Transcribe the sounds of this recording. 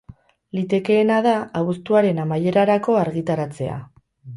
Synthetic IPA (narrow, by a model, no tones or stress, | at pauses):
lit̪e̞ke̞ːnað̞aaβust̪uaɾe̞namaje̞ɾaɾako̞aɾɣit̪aɾat͡se̞a̰